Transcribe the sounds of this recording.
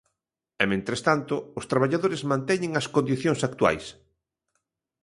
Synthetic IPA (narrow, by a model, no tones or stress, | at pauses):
ɛmẽnt̪ɾest̪ant̪ʊːst̪ɾaβaʎaðoɾɪzmãnt̪ɛɲɪ̃ŋɐskond̪iθjoŋsak̚t̪wa̰js